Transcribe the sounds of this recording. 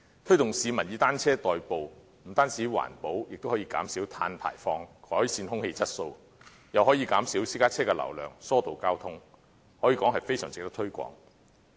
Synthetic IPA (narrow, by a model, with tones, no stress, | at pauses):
t̪ʰɵ˥jt̪ʊ˨˩ŋsiː˨˧mɐ˨˩njiː˨˧t̪aː˥nt͡sʰɛː˥t̪ɔː˨jpo˨w | m̩˨˩t̪aː˥nsiː˨˥wa̰ː˨˩npo˨˥wjɪ̰˨k̚t̪whɔː˨˥jiː˧ka̰ː˨˥msiː˨˥wt̪ʰa̰ː˧npʰa̰ː˨˩jfɔː˧ŋkʰɔː˨˥jsiː˧nhʊ˥ŋhe˧jt͡sɐ˥t̚so˧w | jɐ˨wɦɔː˨˥jiː˨˧kaː˨˥msi˨˥wsiː˥kaː˥t͡sʰɛː˥kɛː˧lɐ̰˨˩wlœː˨˩ŋsɔː˥t̪o˨wkaː˥wt̪ʰʊ˥ŋ | hɔː˨˥jiː˧kɔː˨˥ŋɦɐ˨jfe˥jsœ̰ː˨˩ŋt͡sɪ˨kt̪̚t̪ʰɵ˥ɥkʷɔ̰ː˨˥ŋ